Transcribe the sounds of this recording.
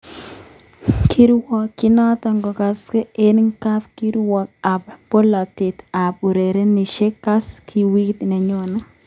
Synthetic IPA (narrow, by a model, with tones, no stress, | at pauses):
kʰi˦ɾwɔ˨kːɪ˦nɔ˦tɔ˨ŋɡɔ˨ka˨ske˦e˦nŋka˦pki˦ɾwɔ˨k̚a˨pbo˦lɔ˨tɪ˨t̪a˨pu˨ɾe˨ɾe˦ni˨ʃe˦ka˦skʰi˨wi˦kt̪nɛ˨ɲo˦nɔ˦